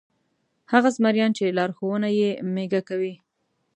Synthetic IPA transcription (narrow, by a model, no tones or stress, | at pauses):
haɣasmaɾjɑnt͡ʃelɑɾxowənajemeɡakawi